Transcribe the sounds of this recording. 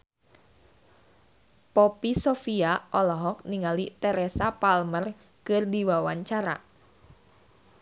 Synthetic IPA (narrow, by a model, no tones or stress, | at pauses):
pɔpisofiaʔɔlɔɦɔk̚niŋalit̪ɛɾɛsapalmər | kɨrdiwawaɲt͡ʃaɾa̰